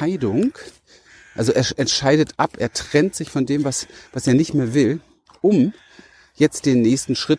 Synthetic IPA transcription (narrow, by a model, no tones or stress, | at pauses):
aɪdʊŋk | ʔalzoʔeːɐʔɛntʃaɪdətʔapʔeːɐtʁ̥ɛntz̥ɪçfɔndeːmvasv̥aseːɐnɪçtmeːɐvɪl | ʔʊm | jɛt͡std̥eːnːɛːçstn̩ʃʁ̥ɪt